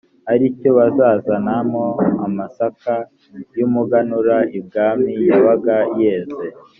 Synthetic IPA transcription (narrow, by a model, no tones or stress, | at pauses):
aɾicoβazaːzanamoamasaka | jumuɡanuɾaib̚ɡaːmijaβaɡaijeːze